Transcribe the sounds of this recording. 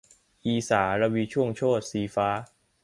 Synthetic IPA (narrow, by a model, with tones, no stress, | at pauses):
ʔiː˧saː˩˦ɾa˧wiː˧t͡ɕʰu˥˩əŋt͡ɕʰoː˥˩t̪̚siː˧faː˦˥